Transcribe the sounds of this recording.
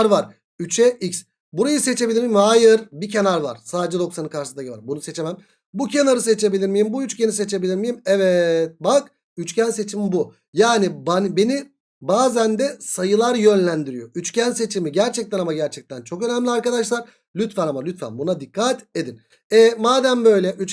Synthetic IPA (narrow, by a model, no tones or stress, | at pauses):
ɾvaɾ | yt͡ʃʰɛics | buɾajɯset͡ʃʰe̞bilʲiɾmijimhaːjɯɾbicʰe̞naɾva̰ɾ̥saːd̪d͡ʒɛd̪o̞ksanɯkʰaɾʃɯsd̪acvaɾbunuse̞t͡ʃʰemæm | bucʰe̞naɾɯse̞t͡ʃʰe̞bilʲiɾmijimbuyt͡ʃceniset͡ʃʰe̞bilʲiɾmijimɛvɛt̪̚bak | yt͡ʃcʰænse̞t͡ʃʰimibu | jaːnibanbe̞ni | baːzænd̪ɛsajɯlˠaɾjø̞nlʲænd̪iɾijo̞yt͡ʃcænse̞t͡ʃʰimiɟæɾt͡ʃʰɛc̚t̪ʰɛnamaɟæɾt͡ʃʰɛc̚t̪ʰænt͡ʃʰo̞kønæmlʲiaɾkad̪aʃlˠaɾ | lʲyt̪fænamalʲyt̪fæ̰nbunad̪ikʰːat̪e̞d̪in | ɛmaːd̪æmbø̞jlʲɛʔyt͡ʃ